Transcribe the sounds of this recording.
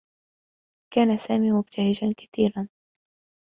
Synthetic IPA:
kaːnasaːmiːmʊb̚t̪ahɪd͡ʒankḁt̪iːɾan

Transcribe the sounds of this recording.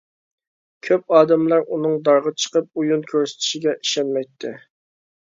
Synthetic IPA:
kʲʰøp̚ɑːd̪ɛmlˠɑɾunɨŋd̪ɑɾʁət͡ʃʰə̥qəp̚ujunkʲʰøɾsɪ̥t̪ʰy̥ʃiɡʲɛʔi̥ʃɛnmɛjt̪ʰːɪ

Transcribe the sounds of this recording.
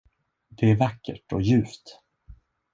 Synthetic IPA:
d̪̥ɛæɾvakːə̰ʈɔjʉ̟ːft̪

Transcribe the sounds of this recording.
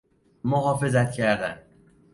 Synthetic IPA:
moɦɒːfe̞zæt̪cʰæɾd̪æn

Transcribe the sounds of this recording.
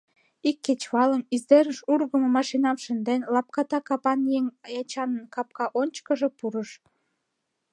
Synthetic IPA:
ikːet͡ɕβɑləmizd̪eɾəʃurɣəmomɑʃinɑmʃə̆nd̪enlɑp̚kɑt̪ɑkɑpɑnjeŋjɑt͡ɕɑnənkɑp̚kɑʔonʲt͡ɕkəʒepuɾəʃ

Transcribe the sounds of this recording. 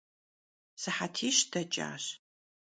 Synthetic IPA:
sɨħatʰiːʃdɐt͡ʃʼa̰ːɕ

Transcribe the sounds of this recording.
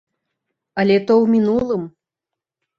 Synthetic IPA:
ɐlʲɛt̪ɔwmʲinulˠɨm

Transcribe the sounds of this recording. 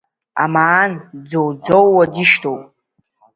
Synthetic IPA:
a̰maːnd͡zowd͡zowːadiʃtʰowpʼ

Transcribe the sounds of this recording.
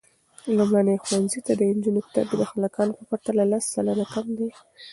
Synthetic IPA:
lumɽanəjxuwanzit̪ad̪əɪnd͡ʒunopt̪abed̪əxalakɑnopəpaɾt̪alalasːalənakamd̪e

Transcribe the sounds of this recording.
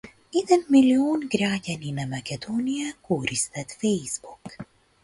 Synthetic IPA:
id̪ɛnmilioːnɡraːɟɐninɐmɐkɛd̪oːnijakoːɾist̪ɛt̪fɛjzbuk

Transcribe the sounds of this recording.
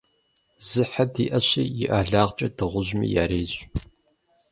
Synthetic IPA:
z̥ɨħadiːʔɐɕiːjɪʔaːɮaːʁt͡ʃʼɐdɨʁʷʊʑmḭja̰ːɾeːɕʼ

